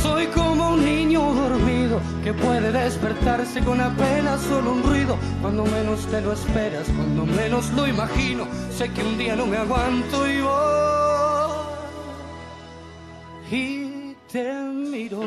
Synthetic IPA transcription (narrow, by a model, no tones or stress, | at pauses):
so̞jkomounːĩɲoðoɾmiðo | ke̞pwe̞ðeðe̞spe̞ɾt̪aɾse̞ko̞nape̞naso̞lounrwiðo̞ | kwand̪o̞mẽ̞no̞st̪e̞loespe̞ɾaskwand̪omẽ̞nosloimaxinose̞keund̪ianomeaɣwant̪oiβo | it̪emiɾo